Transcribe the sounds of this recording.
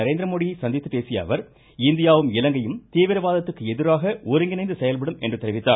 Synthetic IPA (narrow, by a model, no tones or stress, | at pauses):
ɐɾeːnd̪ɾɐmoːɽijsɐnd̪ɪt̪ːɯpeːsɪja̰ːʋɐɾ | ɪnd̪ɪjaːʋɯmɪlɐŋɡɐjɯmt̪iːʋɪɾɐʋaːðɐt̪ːɯkːɯɛðɪɾaːɣɐʔoɾɪŋɡɪnɐɪnd̪ɯsɛjɐlpɐɽɯmɛ̰ndrɯt̪ːɛɾɪʋɪt̪ːaːɾ